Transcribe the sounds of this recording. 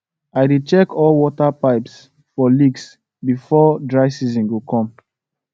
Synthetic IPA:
aɪdit͡ʃɛkɔlwɔtapaɪps | fɔliɡs | bifɔdɹaɪsizɔ̃nɡukʰɔ̃m

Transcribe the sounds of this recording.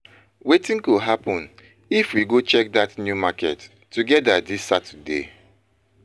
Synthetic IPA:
wetĩnkuɦapɔ̃n | ifwiɡot͡ʃɛk̚datnjumakɛtː | uɡɛdadisatudḛ

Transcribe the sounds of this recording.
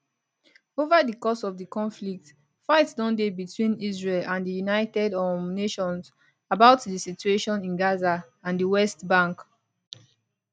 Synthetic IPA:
ovadəkɔsɔvdəkɔ̃nflik̚t | faɪtsdɔ̃ndebitʰwĩnizɹelãndəjunaɪtɛdɔmneʃɔ̃ns | abaʊtdəsit͡ʃueʃɔ̃nĩnɡaza | ãndəwɛstbãŋk

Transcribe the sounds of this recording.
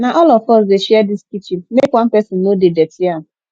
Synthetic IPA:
naʔɔlɔfɔsdeʃiɛdiskit͡ʃimekwam̩pɛsɪn̩ːodedɛtia

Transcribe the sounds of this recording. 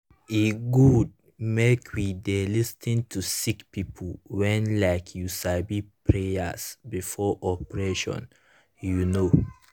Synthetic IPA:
iɡud̚ | mekʰwidelistʰĩntʰusikpipʰuwɛ̃nlaɪkʰjusabipʰɹeja̰sbifɔʔɔpɹeʃɔ̰̃n | juno

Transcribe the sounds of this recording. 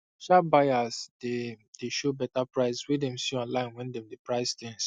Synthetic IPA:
ʃabaɪasded̥eʃobɛtapɹaɪswidɛ̃msũãlãɪ̃nwɛ̃ndɛ̃mdepɹaɪstɛ̃ns

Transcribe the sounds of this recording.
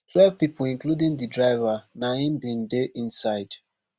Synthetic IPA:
twɛvpipolĩŋkludĩŋdidɹaɪvanãĩnbĩndeʔĩnsaɪd

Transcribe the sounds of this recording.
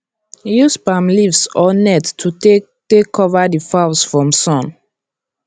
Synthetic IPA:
juspamlivsɔnɛttʰute | tekʰːɔvadifaʊsfɹɔ̃msɔ̃n

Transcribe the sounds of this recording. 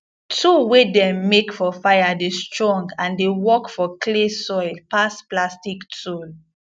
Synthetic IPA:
tʰuwedɛ̃mːekfɔfajadestɹɔ̃ŋɡãndewɔkfɔkʰlesɔjlpasplastiktol

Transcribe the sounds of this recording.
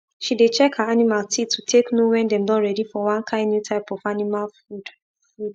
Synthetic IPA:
ʃidet͡ʃɛkhaanimaltitʰːutʰeknowɛ̃ndɛ̃mdɔ̃nɹɛdifɔwãnkʰãɪ̃ndnjutʰaɪpɔfanimalfud | fud

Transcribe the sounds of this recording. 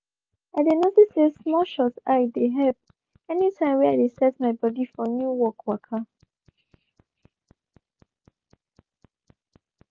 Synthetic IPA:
aɪdenotisesmɔʃɔtaɪdeɦɛp̚ | ɛnitʰãɪ̃mwɛaɪdesɛtmaɪbɔdifɔnjuwɔkʰwakʰa

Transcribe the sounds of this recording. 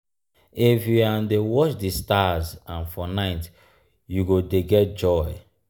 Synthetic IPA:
ifjuadewɔt͡ʃdistazãnfɔnaɪt | juɡodeɡɛt̚d͡ʒɔj

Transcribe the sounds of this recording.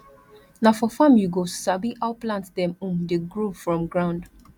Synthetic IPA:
nafɔfãmjuɡosabiʔaʊplãntdɛ̃mũmdeɡɹufɹɔ̃mɡɹãʊ̃nd

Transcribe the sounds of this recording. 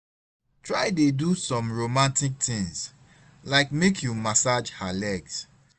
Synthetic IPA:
tʰɹaɪdedusɔ̃mɹomãntik̚tʰɪ̃ŋs | laɪkmekʰjumasad͡ʒhalɛɡs

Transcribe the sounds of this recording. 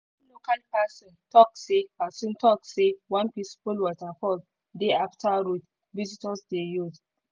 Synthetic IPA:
lokalpasɔ̃ntɔk̚sepasɔ̃ntɔk̚sewãnpɹĩnsi̥pulwɔzafɔld | deaftaɹut | vizitasdejuz

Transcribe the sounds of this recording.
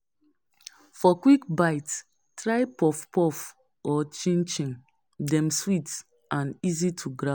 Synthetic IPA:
fɔkwikbaɪt | tɹaɪpɔfpɔf | ɔt͡ʃĩnt͡ʃĩŋ | dɛ̃mswit | ãnizitʰuɡɾa

